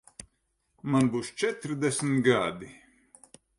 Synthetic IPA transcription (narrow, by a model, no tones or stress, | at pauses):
manbuːst͡ʃɛt̪ɾd̪ɛsmt̪ɡad̪i